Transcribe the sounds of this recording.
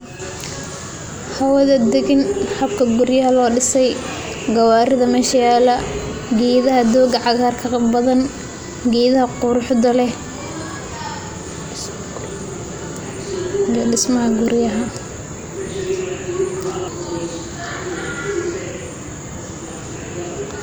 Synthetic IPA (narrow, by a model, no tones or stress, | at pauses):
hɐwɐðɐd̪ɛɣɪnħɑb̚kʰɐɡʊrjaːlɔːɖɪsɛj | ɡɐwaːɾɪðɐmɛʃjaːlɐɡɛːðɐɦɐd̪ɔːɡɐʕɑɣaːrkʰɐbɐðɐn | ɡɛːðɐhɐqʊɾʊħd̪ɐlɛ | jɗɪsmɐɦɐɡʊɾjaɦɐ